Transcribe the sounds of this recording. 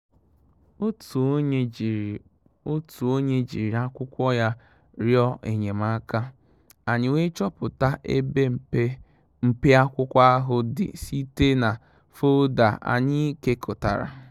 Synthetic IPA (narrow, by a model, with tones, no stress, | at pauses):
o˦tu˨o˦ɲe˦d͡ʒi˨ɾi˨a˦kʷʊ˦kʷɔ˦ja˦ | ɾjɔ˦ʔe˨ɲe˨ma˦ka˦ | a˨ɲɪ˨we˦t͡ʃɔ˦pʊ˨ta˦ʔe˦be˦˨e˦ | m̩˨pe˦a˦kʷʊ˦kʷa˦a˦ɦʊ˦dɪ̰˨si˦te˦na˨ | fo˦da̰˨a̰˨ɲɪ˦i˦ke˦kʰo˨ta̰˨ɾa̰˨